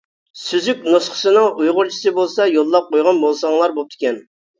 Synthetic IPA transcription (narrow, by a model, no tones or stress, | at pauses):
syzykʲnosχə̥sɨnɨŋʔujʁʊɾt͡ʃʰi̥sɨbolˠsɑjolˠːɑp̚qʰojʁɑnbolˠsɑŋlˠɑɾbop̚t̪ʰɪ̥kʲʰɛn